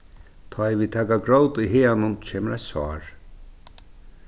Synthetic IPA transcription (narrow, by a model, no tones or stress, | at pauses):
t̪ʰɔvit̪ʰaːkaɡɾowt̪ʊjɦeːanʊnt͡ʃʰeːməɾajsvɑ̰ːɹ